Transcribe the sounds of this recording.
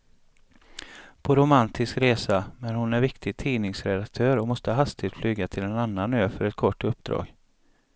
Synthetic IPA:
pʰɔɾʊmant̪ʰɪskɾeːsamɛnhʊnæɾvɪkt̪ʰɪɡt̪ʰiːnɪŋsɾɛd̪ak̚t̪ʰœːɾɔmɔst̪əɦast̪ɪt̪flyːɡat̪ʰɪlɛnanːanøːfœɾɛt̪kʰɔʈːɵpːd̪ɾɑ̰ːɡ

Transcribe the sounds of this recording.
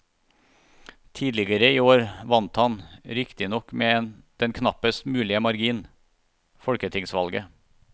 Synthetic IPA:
t̪ʰiːd̪lɪɡəɾəiːoːɾʋɑnt̪hɑnɾɪkt̪ɪnɔkːmeːd̪̥ɛnkʰnɑpəst̪mʉːlɪəmɑɾɡiːn | fɔɽkət̪ʰɪŋsʋɑlɡə

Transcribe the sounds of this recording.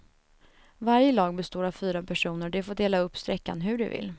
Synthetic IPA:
vaɾjəlɑːɡ̚bɛst̪oːɾavfyːɾapʰæʂuːnəɾɖɛfoːɖ̪eːlaɵpːst̪ɾɛkːa̰nɦɵɖɵ̰vɪ̰lː

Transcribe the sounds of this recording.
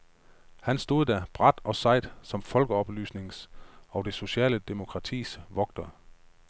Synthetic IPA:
hænsd̥o̝ːðˠd̥æb̥ʁad̥ɒ̽sɑ̈ɪ̰d̥sɒ̽mfɒ̽lɡ̥əɒ̽b̥ly̰ːsne̝ŋsɒ̽d̥e̝so̝ɕɛ̰ːləd̥e̝mo̝kʰʁɑ̈t͡sʰḭːsʋɒ̽ɡ̥̚d̥ɐ

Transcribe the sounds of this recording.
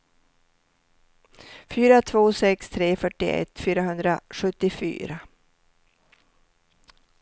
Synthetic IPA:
fyːɾat̪ʰvoːsɛkst̪ʰɾeːfœʈːɪ̰ɛ̰t̪ːfyːɾaɦɵnd̪ɾaɧɵt̪ːɪfy̰ːɾa

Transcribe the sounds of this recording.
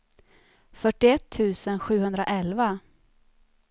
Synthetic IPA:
fœʈːɪɛt̪ʰːʉ̟ːsənɧʉ̟ːhɵnd̪ɾa̰ʔɛlva

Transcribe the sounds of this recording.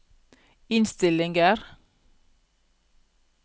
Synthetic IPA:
ɪnst̪ɪlɪŋɡəɾ

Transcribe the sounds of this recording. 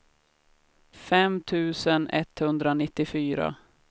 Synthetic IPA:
fɛmt̪ʰʉ̟ːsənɛ̰t̪hɵnd̪ɾanɪt̪ːɪfyːɾa̰

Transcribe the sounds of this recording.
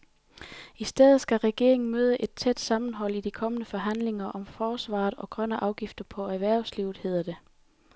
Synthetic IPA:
isd̥eð̩ˠsɡ̥æʁɛɡ̥e̝ɐ̰e̝ŋn̩møːð̞ˠəʔe̝d̥̚t͡sʰed̥sɑ̈mn̩ɦɒ̽l̰id̥ikʰɒ̽mənəfɒ̽ɦæn̰le̝ŋɐʔɒ̽mfɒːsʋɑ̰̈ːð̩ˠɒ̽ɡ̥ʁɶnəʔɑ̈ʊɡ̥ifd̥ɐpʰɒ̽æʋæɐ̰ʊsliʊð̩ˠhe̝ð̞̰ˠɐd̥e̝

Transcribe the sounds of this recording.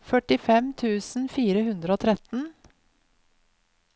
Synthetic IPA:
fœʈɪfɛmt̪ʰʉːsn̩fiːɾəhʉnd̪ɾəoːt̪ʰɾɛt̪n̩

